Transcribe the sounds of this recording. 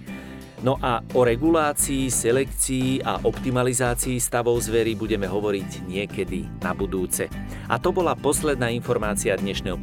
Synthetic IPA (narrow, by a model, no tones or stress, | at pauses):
nɔʔaɔɾɛɡulaːt͡siːsɛlɛkt͡siːʔa̰ʔɔpt̪imalizaːt͡siːst̪aʋɔʊzʋɛɾibuɟɛmɛɦɔʋɔɾiɟɲɪɛkɛd̪inabud̪uːt͡sɛ | ʔa̰t̪ɔbɔlapɔslɛd̪naːinfɔɾmaːt͡siad̪ɲɛʃnɛːɦɔ